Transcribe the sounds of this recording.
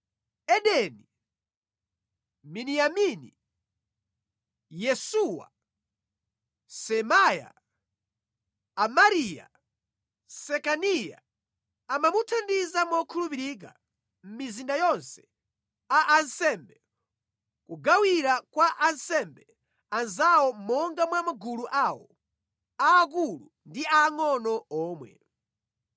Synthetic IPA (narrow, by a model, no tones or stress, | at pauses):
ɛɗɛni | minijaminḭ | jɛsuwa̰ | sɛmaja̰ | amaɾija̰ | sɛkanija̰ | amamutʰandizamɔkʰulupiɾik̬a̰ | m̩mizindajɔnsɛ̥ | aʔansɛmbɛ | kuɡawiɾakwaʔansɛmbɛ | anzawɔmɔŋɡamwamaɡuluʔaːwɔ̰ | aːk̬ulu | ndiaŋɔnɔɔːmwɛ̰